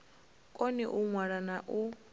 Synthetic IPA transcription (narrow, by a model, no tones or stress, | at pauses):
kʼɔniʔuŋwaɺanaʔu